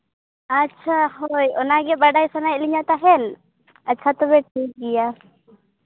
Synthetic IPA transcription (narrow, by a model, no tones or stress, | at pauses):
ətːt͡ʃʰaɦɔjɔnaɡɛbaɖajsanajɛliɲat̪aɦɛl | ətːt͡ʃʰat̪ɔbɛʈʰik̚ɡija